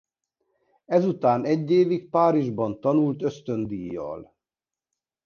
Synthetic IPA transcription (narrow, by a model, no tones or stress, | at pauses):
ɛzut̪aːnɛɟːeːvik̚paːɾiʒbɒnt̪ɒnult̪ø̞st̪ø̞nd̪ijːɒ̰l